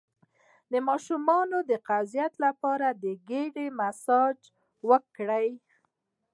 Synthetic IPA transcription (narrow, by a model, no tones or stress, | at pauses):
d̪əmɑʃumɑnod̪əqazijat̪lapɑɾad̪əɡeɖemasɑd͡ʒ | wəkɽəj